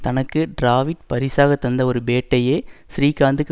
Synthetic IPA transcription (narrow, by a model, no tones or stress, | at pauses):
t̪ɐnɐkːɯɖɾaːʋɪʈ̚pɐɾɪsaːɣɐt̪ːɐnd̪ɐɔɾɯbeːʈːɐjeːsɾiːkaːnd̪ɯkː